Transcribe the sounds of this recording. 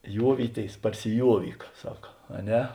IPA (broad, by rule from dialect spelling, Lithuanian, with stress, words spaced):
ˈjuɔʋʲiːˌtʲeːɪs pɐrʲsʲɪˈjuɔʋʲiːk ˈsɑːkɐ ɐ ˈnʲɛ